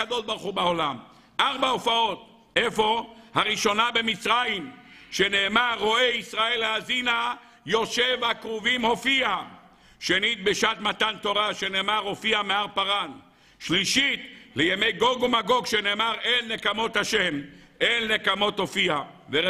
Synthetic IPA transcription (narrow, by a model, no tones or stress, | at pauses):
ad̪oʃbaʁχubeolam | ʔaʁbaofao̞t̪̚ | ʔefo̞haʁiʃo̞nabe̞mit͡sʁajim | ʃene̞ːmaʁːo̞eisʁae̞laazina | jo̞ʃevakʁuvimho̞fia | ʃenit̪̚beʃat̪mat̪ant̪o̞ʁaʃeneːmaʁho̞fiameaʁpaʁan | ʃliʃit̪lejemejɡo̞ɡumaɡo̞ɡʃene̞ːmaʁelːekamo̞t̪haʃem | elːekamo̞t̪o̞fiave